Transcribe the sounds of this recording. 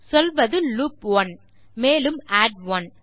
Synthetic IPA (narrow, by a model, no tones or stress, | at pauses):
sɔlʋɐðɯluːpʋɐn | meːlɯmaːɖʋɐn